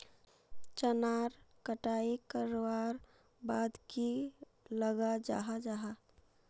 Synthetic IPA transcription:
t͡ʃənaɾ | kəʈaikəɾaɾ | bad̪ki | ləɡad͡ʒa̰ɦad͡ʒaɦa

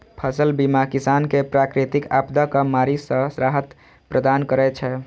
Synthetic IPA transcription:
pʰəsəlbimakisankepɾakɾit̪ikapd̪akəmaɾisə̃sɾaɦət̪ | pɾəd̪ankəɾɛt͡ʃʰɛ

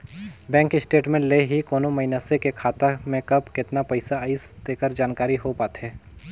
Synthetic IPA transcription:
bɛ̃ːŋkɪsʈeːʈmẽleɦikoːnomɐɪnasekekʰaːt̪amẽkɐbkɪt̪napɐɪsaisd̪eːkəɾd͡ʒaːnkaːɾiɦopaːt̪ɦɛː

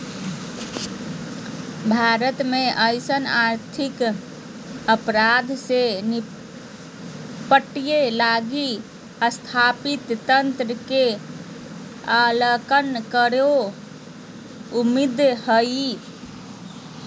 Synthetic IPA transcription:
bʱaɾət̪meʔəɪsənaɾt̪ʰik | əpɾad̪ʱseni | pəʈijelaɡi | əst̪ʰapit̪ːənt̪ɾəke | aləkənkəɾo | umid̪həi

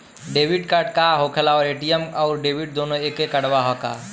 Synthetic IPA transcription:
ɖebʱiɖkəɾɖkaɦokʰelaɔɾeʈijəmaʊɾɖebiɖ̚d̪onoekekəɽbaɦɔka̰

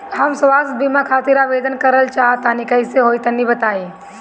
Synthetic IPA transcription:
ɦɐmsʋaːsbimakʰaːt̪ɪɾaʋeːd̪ənkɐɾəlt͡ʃaːɦt̪aːnikɐiseɦoːit̪ɐnibɐt̪aːeː

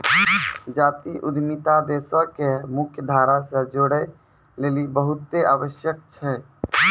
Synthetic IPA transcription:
d͡ʒaːt̪iʔud̪ʱmit̪ad̪esɔkemʊkʰjəd̪ʱaːɾasə̃d͡ʒoɽɛ | leːlibəɦut̪ːeaːʋəʃjək̚t͡ʃʰɛ

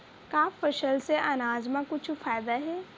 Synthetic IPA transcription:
kaːfəʃəlseʔanaːzmãkʊt͡ʃʰfaːɪd̪aɦɛː

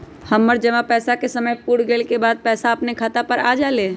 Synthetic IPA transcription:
həmːəɾd͡ʒəʋapɛːsakesəməjpuɽɡeːlkebaːd̪̚pɛːsaəpnekʰaːt̪apəɾaːd͡ʒaleː

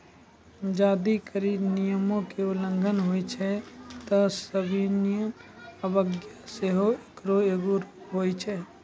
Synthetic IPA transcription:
d͡ʒaːd̪ikəɾinijəmõkeʊlə̃ŋɡʱənɦoːit͡ʃʰɛt̪ɔsəbʱinijəm | əbəɡjaseɦoekɾoeːɡoɾɦoːit͡ʃʰɛː

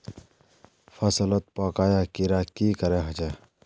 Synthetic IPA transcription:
fʰɐsələt̪̚pɔːkaːjakiɾakiːkəɾeɦɐt͡ʃa

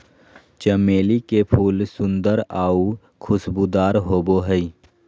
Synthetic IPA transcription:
t͡ʃəmeːlikepʰuːlsʊ̃nd̪əɾaːu | kʰʊsbud̪aːɾɦoːboɦəi

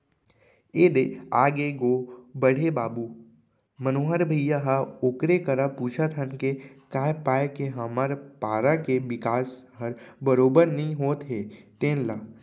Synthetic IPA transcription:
eːd̪eaːɡeɡoːbəɽ̤ʱebaːbuː | mənoːɦəɾbʱəjaɦaokɾekəɾapuːt͡ʃʰət̪ɦənkekaːepaːekeɦɐmaːɾpaːɾakebɪkaːsɦɐɾbəɾoːbəɾnəɦĩɦoːt̪ɦeːt̪ẽːnlaː

